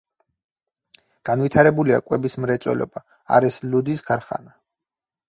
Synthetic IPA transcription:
ɡ̥anwit̪ʰaɾɛbulia̰kʼwɛbismɾɛt̪sʼɛ̰lɔ̰ba | a̰ɾɛslud̪isɡaɾχa̰na

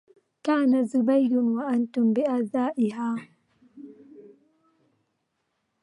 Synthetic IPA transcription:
kaːnazʊbajdʊnwaʔantʊmbɪʔazaːʔɪɦaː

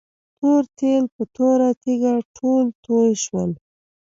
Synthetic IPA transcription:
t̪oɾt̪elpət̪oɾat̪iɡaʈʰolt̪ojʃwəl

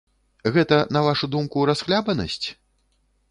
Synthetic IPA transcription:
ɣɛt̪ɐnɐvaʂud̪umkuɾasxlʲabɐnɐ̰sʲt͡sʲ

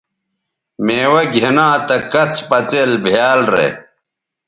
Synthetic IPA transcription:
meːwɐɡʱenãːt̪ɐkɐt͡sʰpɐt͡selbʱijaːlɾḛ

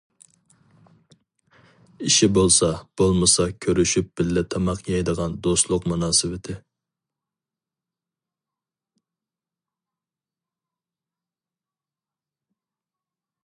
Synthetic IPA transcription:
iʃibolˠsɑb̥olˠmɨsɑkʲʰøɾyʃyp̚b̥ɪlːɪt̪ʰɑmɑqʰjɑjd̪əʁɑnd̪oslˠʊqmunɑːsɨwɪt̪ʰɪ

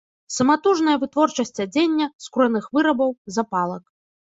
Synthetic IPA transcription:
sɐmat̪uʐnɐjɐvɨt̪vɔrt͡ʂɐsʲt͡sʲɐd͡zʲenʲːɐskuɾuɛnɨxvɨɾɐbɐwzapalˠɐk

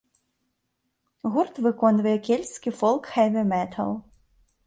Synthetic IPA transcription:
ɣurt̪vɨkɔnvɐjɛkʲelʲskʲifɔlˠkxɛvʲɪmɛt̪ʰɐ̰lˠ

